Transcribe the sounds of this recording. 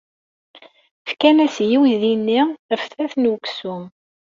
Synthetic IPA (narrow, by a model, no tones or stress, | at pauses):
fkænæsjiwiðinːiəfθæθnwəksum